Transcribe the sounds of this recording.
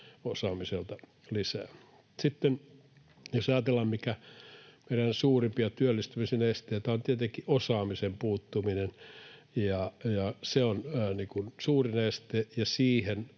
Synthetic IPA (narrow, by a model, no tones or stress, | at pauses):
osɑːmiselt̪ɑ | lisæː | sit̪ːen | josɑjɑt̪elːɑmmikæmeiɾænsuːrimpiɑt̪yølːist̪ymisinest̪eit̪æont̪iet̪eŋkiʔosɑːmisempuːt̪ːuminen | jɑjɑseonniːkunsuːrinest̪eːjɑsiːhen